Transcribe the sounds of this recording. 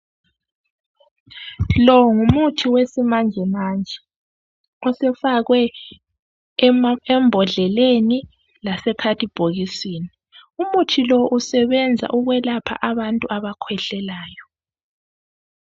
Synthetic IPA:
lɔŋumutʰiwesimand͡ʒʱɛmaːnd͡ʒʱɛ | ɔsɛfaɣwɛ | ɛmbʱɔɮɛleni | lasɛkʰatʰib̥ʱoɣisiːni | umutʰilɔʔusɛβɛnd͡zʱa̰ʔuɣwɛlapʰa̰ʔaβantʼuʔaβakʰwɛɬɛlaːjɔ

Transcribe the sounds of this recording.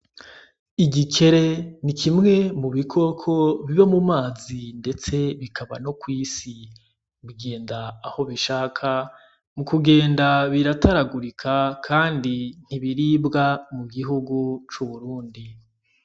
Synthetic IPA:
iɟice̞ɾe̞nikʰimŋe̞muβikʰo̞kʰo̞βiβamumaːzinde̞t͡se̞βikʰaβa̰no̞kwiːsi | ɡe̞ːndaːho̞βiʃaːkʰa | mukuɡe̞ːndaβiɾataɾaɡuɾikʰakʰaːndin̥iβiɾiːbɡamuɡiɦuɡut͡ʃuβuɾuːndi

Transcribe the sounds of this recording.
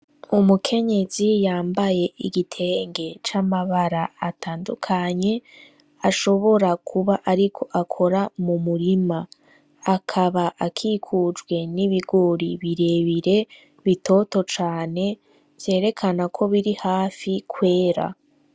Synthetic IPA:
umukʰe̞ɲe̞zijaːmbaje̞ʔiɡitʰe̞ŋɡe̞t͡ʃamaβaɾaatʰaːndukʰaɲe̞ | aʃo̞βo̞ɾakʰuβaʔaɾikʰo̞ʔakʰo̞ɾamumuɾimaː | kʰaβaʔakʰiːkʰud͡ʒɡwe̞niβiɡoɾiβiɾe̞βiɾe̞ | βitʰo̞to̞t͡ʃaːne̞ | v̥je̞ːɾe̞kʰanakʰo̞βiɾihaːfikʰwe̞ːɾa̰

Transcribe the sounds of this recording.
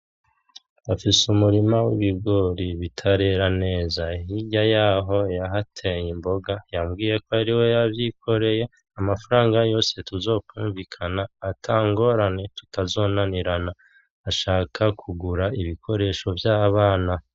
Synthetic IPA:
afisumuɾimawḭβiɡo̞ːɾiβitʰaɾe̞ːɾane̞ːzahiɟajaːɦo̞jaɦatʰejimbo̞ɡajamɡiːje̞ko̞aɾiwe̞jaβjikʰo̞ɾe̞je̞ | amafaɾaːŋɡajo̞ːse̞tuzo̞ːkwuːɱvikʰanaːtʰaːŋɡo̞ɾane̞tu̥tazo̞ːnaniɾanaː | ʃaːkʰakʰuɡuɾaiβikʰo̞ɾe̞ʃo̞vjaːβaːna

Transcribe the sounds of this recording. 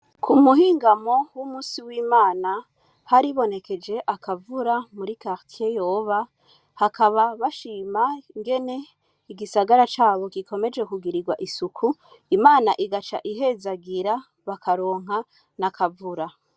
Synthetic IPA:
kʰumuɦiːŋɡamo̞wumuːsiwiːmaːna | haɾiβo̞ne̞ke̞d͡ʒe̞ʔakʰavuɾamuɾikaʁtʰiejoːβa | hakʰaβaβaʃiːmaiŋɡe̞ne̞ | iɡisaɡaɾat͡ʃaːβo̞kikʰo̞me̞d͡ʒe̞kuɡiɾiɡwaʔisukʰu | imaːnaʔiɡat͡ʃa̰ʔiɦe̞zaɡiɾa | βakaɾo̞ːŋ̥ɦa | nakʰavuɾa

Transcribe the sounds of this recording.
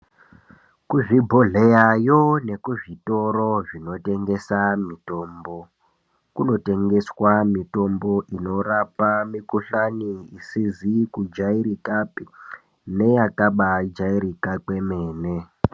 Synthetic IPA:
kuʐibʱoɮejajo̞ne̞kuʐito̞ɾo̞ʐino̞te̞ŋɡe̞samito̞ːmbo̞ | kuno̞te̞ŋɡe̞swamito̞mbo̞ʔino̞rapamikuɬaniisizikud͡ʒaiɾikapi | ne̞jakaɓad͡ʒairikake̞meːne

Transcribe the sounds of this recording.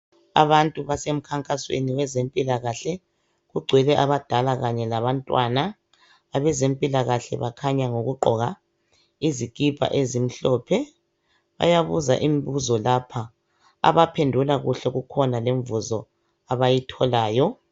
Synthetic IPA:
a̰βantʼuβasem̩kʰaŋkʼaswḛniwɛzempʼilaɣaɬɛ | ɣuɡ͡ǀʱwɛlɛʔaβad̥ʱalaɣaɲɛlaβantʼwanaː | βɛzempʼilaɣaɬɛ̰βakʰaɲaŋoɣuɡ͡ǃʱɔɣa | izikʼipʰa̰ʔezim̩ɬɔːpʰɛ | βa̰jaβuza̰ʔimiβuzɔlapʰa | a̰βapʰendʱulaɣuɬɛɣukʰɔnaleɱvuzɔ | aβajitʰɔlaːjɔ

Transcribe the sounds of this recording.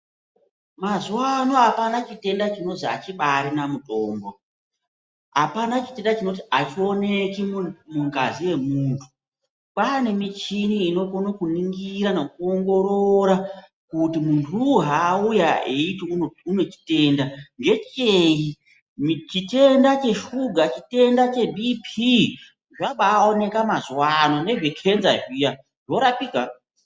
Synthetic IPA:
mazuwano̞apanat͡ʃite̞ndat͡ʃino̞zia̰t͡ʃiɓaɾinamutʼo̞ːmbo̞ | a̰panat͡ʃite̞ndat͡ʃino̞t̬iat͡ʃione̞kimuŋɡaziwe̞muːntʰu̥ | pane̞mit͡ʃiniːno̞konokuniŋɡiɾanek̚uoŋɡo̞ɾoɾa | kutimuntʰuɦaːujaeitiune̞t͡ʃi̥te̞ːndand͡ʒe̞t͡ʃei | t͡ʃite̞ndat͡ʃe̞ʃuɡʱat͡ʃite̞ndat͡ʃe̞bʱipʰi | ʐaɓaːone̞kamazwanone̞ʐekʰenzaʐija | ʐo̞ɾapika

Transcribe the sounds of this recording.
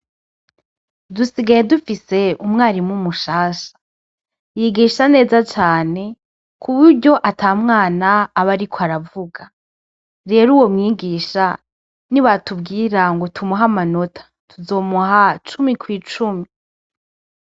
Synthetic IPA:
dusiɡaje̞dufise̞umŋaːɾimŋumuʃaːʃḁ | jiɡiːʃane̞ːzat͡ʃaːne̞ | kʰuβuɾɟo̞ʔatʰaːmŋaːnaːβaɾikʰoaɾavuɡa | ɾe̞ːɾuːwo̞mŋiːɡiːʃa | niβatubɡiːɾaŋɡo̞tʰumuɦamano̞tʰḁ | tʰuzo̞ːmuɦat͡ʃumikwiːt͡ʃumi

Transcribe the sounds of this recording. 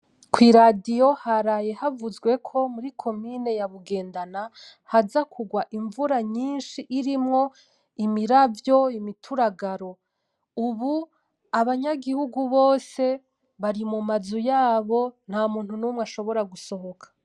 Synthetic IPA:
kʰwiɾadijo̞haɾaje̞havuzɡwe̞kʰo̞muɾikʰo̞mine̞jaβuɡe̞ːndana | hazakʰuɡwaʔiɱvuɾaɲiːnʃiʔiɾimŋo̞ | imiɾavjo̞imitʰuɾaɡaɾo̞ | uβu | aβaɲaɡihuɡuβo̞ːse̞ | βaɾimumazujaːβo̞n̥haːmuːn̥hunumŋaʃo̞βo̞ɾaɡuso̞ɦo̞kʰḁ

